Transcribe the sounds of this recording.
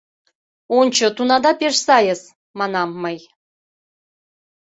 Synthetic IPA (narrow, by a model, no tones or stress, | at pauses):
onʲt͡ɕɤ̆t̪unɑd̪ɑpeʂsɑjəz | mɑnɑmːɤj